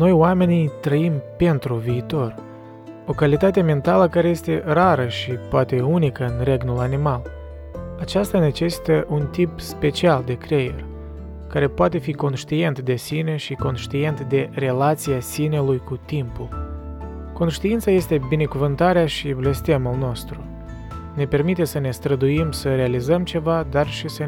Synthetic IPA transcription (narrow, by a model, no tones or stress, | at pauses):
no̞joame̞nijt̪ɾəimpe̞nt̪ɾuviːt̪o̞r | o̞kalit̪at̪e̞me̞nt̪aləkaɾe̞je̞st̪e̞raɾəʃipoat̪e̞unikəɨnre̞ɡnulanimal | at͡ʃast̪ane̞t͡ʃe̞si̥t̪əʔunt̪ipspe̞t͡ʃiald̪e̞kɾe̞jḛrʲ | kaɾe̞poat̪e̞fiko̞nʃt̪ie̞nt̪d̪e̞sine̞ʃiko̞nʃt̪ie̞nt̪d̪e̞re̞lat̪sijasine̞lujkut̪impul | ko̞nʃt̪iint̪saje̞st̪e̞bine̞kuvɨnt̪aɾeaʃible̞st̪e̞mulno̞st̪ɾu | ne̞pe̞rmit̪e̞səne̞st̪ɾəd̪uimsəɾe̞alizəmt͡ʃe̞vad̪arʃisə